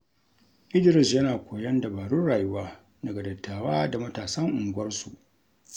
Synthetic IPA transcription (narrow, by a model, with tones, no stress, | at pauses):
ʔɪ˦dɪ˨ɾɪ˨sjɐ˦naː˨kʷoː˨jɐ˦nda˨baː˨ɽuː˦ɽaː˨ju˦waː˦ | dɐ˨ɡɐ˨dɐ˨tːaː˨waː˦da˨mɐ˦taː˨sɐ˦ŋʔʊ˨ŋɡʷɐ˦rsu˨ʔ